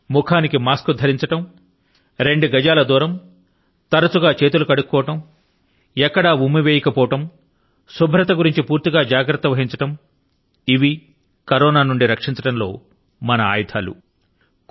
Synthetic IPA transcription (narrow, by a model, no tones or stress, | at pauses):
mukʰaːnikimaːskud̪ʱɐɾiɲt͡ʃɐʈɐm | ɾe̞ɳɖuɡɐd͡ʒaːlɐd̪uːɾɐm | t̪ɐɾɐt͡ʃuɡaːt͡ʃe̞ːt̪̬ulukɐɽukːɔːɐʈɐm | ɛkːɐɽɐumːiʋeːjɐkɐpɔːʋɐʈɐm | subʱɾɐt̪ɐɡuɾiɲt͡ʃipuːɾt̪iɡaːd͡ʒaːɡɾɐt̪ːɐʋɐɦiɲt͡ʃɐʈɐm | iʋi | kɐɾɔːnaːnuɳɖiɾɐkʂiɲt͡ʃɐʈɐmlo̞ː | mɐnɐa̰ːjɐt̪ʰaːlṵ